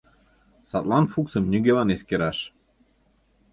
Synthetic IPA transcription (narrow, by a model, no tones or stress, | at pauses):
sɑt̪lɑnfuksəmnʲyɡeβɑneskeɾɑʃ